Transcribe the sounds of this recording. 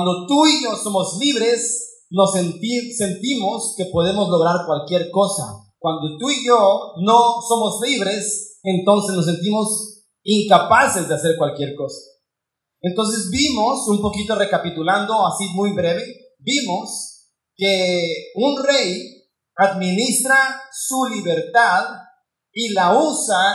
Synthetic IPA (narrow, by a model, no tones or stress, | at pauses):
wand̪o̞t̪uiʝo̞somo̞zliβɾe̞s | no̞sent̪ise̞nt̪imo̞ske̞po̞ð̞e̞mo̞zlo̞ɣɾaɾkwalkje̞ɾko̞sa̰ | kwand̪o̞t̪uiʝonoso̞mo̞zliβɾe̞sent̪o̞nse̞snos̬e̞nt̪̬imo̞s | iŋkapase̞zðease̞ɾkwalkje̞ɾko̞sḁ | e̞nt̪o̞ns̬e̞zbimo̞sumpo̞kit̪o̞re̞kapit̪uland̪o̞asimujβɾe̞βe̞ | bimo̞s | keunre̞j | aðmĩnist̪ɾasuliβe̞ɾt̪að | ilausa